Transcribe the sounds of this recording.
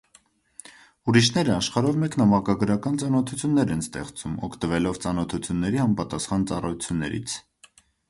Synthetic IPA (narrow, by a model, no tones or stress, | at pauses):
uɾiʃnɛɾəɑʃχɑɾɔvmɛknɑmɑkɑɡəɾɑkɑnt͡sɑnɔt̪ʰut͡sʰjunːɛɾɛnst̪ɛ̰χt͡sumɔ̰kʰt̪əvɛlɔvt͡sɑnɔt̪ʰut͡sʰjunːɛɾiɑmpɑt̪ɑsχɑnt͡sɑrɑjut͡sʰjunːɛ̰ɾḭt͡sʰ